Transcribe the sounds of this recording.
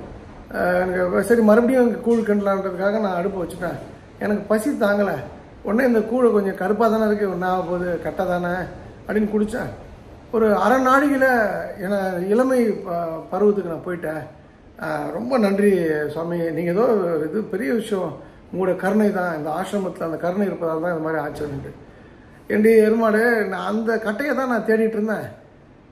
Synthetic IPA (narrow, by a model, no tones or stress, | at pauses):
ɛnɐkːɯsɐɾimɐɾɐbɐɽɪjʊ̃ɛŋɡɐkuːɭkɐɳɖɐlãːɪndrɐðɯkːaːɣɐnãːɐɽɯpːɯʋɐt͡ʃːɯʈːãː | ɛ̰nɐkːɯpɐsit̪ːaːŋɡɐlɐ | ɔnːeɪnd̪ɐkuːɻkɔɲd͡ʒɔ̃kɐɾɯpːaːt̪aːnɪɾɯk̬ːɯnaːɐpoːðɯkɐʈːɐt̪aːnɐ | ɐpːɽɪnːkʊɽɯt͡ʃːã̰ː | ɔɾɯɐɾɐnaːɽɪɣɪlɐɛnːɐɪlɐmɐɪpɐɾɯʋɐðːɯkːɯnãːpoːjɪʈːẽː | ɾɔmbɐnɐndriswaːminiːŋɡɐðoːɾɪðɯpɛɾɪjɐʋɪʂɐjɐ̃ | muːɽɐkɐɾɯɳɐɪt̪ãːɪnd̪ɐaːʂɾɐmɐt̪ːɪlɐnd̪ɐkɐɾɯɳɐɪɪɾɯpːɐðaːlt̪ãːɪnɐmaːd̪ɾiaːt͡ʃːɐɐnɪɳːɯ | ɛnɖeɛɾɯmaːɽɯnaɐnd̪ɐkɐʈːɐjɐt̪ãːnãːt̪eːɽɪɪʈːɪɾɯnd̪ãː